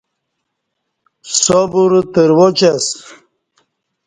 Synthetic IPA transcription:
sobuɾt̪əɾwot͡ɕas

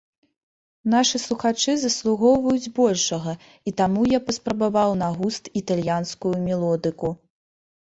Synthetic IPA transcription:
naʂɨslˠuxat͡ʂɨzɐslˠuɣɔwvɐjud͡zʲbɔlʲʂɐɣɐ | it̪amujapɐspɾɐbavawnaɣust̪it̪alʲjanskujumʲɛlˠɔd̪ɨku

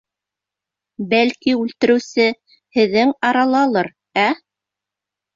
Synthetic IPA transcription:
bælkiʉlt̪ɘ̆ɾɘ̆wsɘ | hɘ̆ðːɘŋɑɾɑlˠɑlˠɤɾ | æ

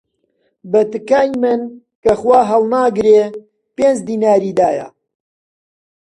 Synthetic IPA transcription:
bɐt̪ɨkaːjmɨn | kɐχwaːɦɐlˠnaːɡɾeː | peːnd͡ʒd̪iːnaːɾiːd̪aːjɐ̰

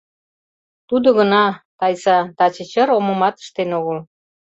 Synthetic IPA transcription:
t̪ud̪oɣənɑt̪ɑjsɑt̪ɑt͡ɕə̆t͡ɕəɾoməmɑt̪ə̥ʃt̪enoɣəl

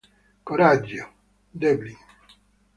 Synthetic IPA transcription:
koɾad͡ʒo | d̪ɛbli

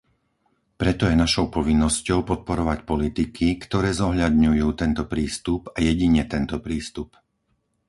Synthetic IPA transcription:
pɾɛt̪ɔjɛnaʃɔʊpɔʋinːɔscɔʊpɔt̪̚pɔɾɔʋacpɔlit̪ikʰikt̪ɔɾɛːzɔɦʎad̪ɲujuːt̪ɛnt̪ɔpɾiːst̪upajɛɟiɲɛt̪ɛnt̪ɔpɾiːst̪up

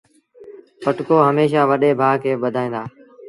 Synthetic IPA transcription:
pəʈkoːɦəmeːʃaːʋəɗeːbʱaːkʰeːɓəd̪ʱaːĩːnd̪aː

